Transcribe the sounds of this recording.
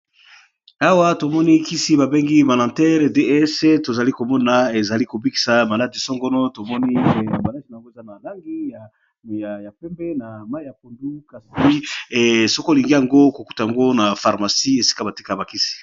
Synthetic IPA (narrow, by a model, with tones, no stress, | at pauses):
a˦wa˦to˨mɔ˦ni˦ki˦si˦ba˨be˦ŋɡi˦ba˨lã˨tɛ˦le˨de˦se˦to˨za˨li˦ko˨mɔ˦na˨e˨za˨li˦ko˨bi˦ki̥˨sa˨ma˨la˦di˨sɔ˦ŋɡɔ˦nɔ˦to˨mɔ˦ni˦˨a˨ma˨la˦di˨na˨ŋɡo˦e˨za˦na˨la˦ŋɡi˦j | ja˨ja˨pɛ˦mbɛ˦na˨ma˦i˦ja˨ko˨ndu˦ka˨si˦˨ | sɔ˦ko˦˨li˨ŋɡi˦ja˨ŋɡo˦ko˨ku˦ta˨ja˨ŋɡo˦na˨fa˨ʁma˨si˦e˨si̥˦ka˦ba˨ti˦ka˦˨ba˨ki˦si̥˨